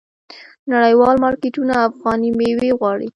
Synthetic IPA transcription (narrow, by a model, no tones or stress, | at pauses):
naɽəjwɑlmɑɾkeʈunaːfɣɑnimeweɣwɑɽi